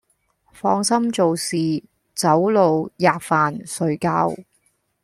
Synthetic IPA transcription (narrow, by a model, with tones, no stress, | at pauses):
fɔː˧ŋsɐ˥mt͡so˨wsiː˨ | t͡sɐ˨˥wlo˨wjaː˨k̚faː˨nsɵ˨˧ɥkaː˧w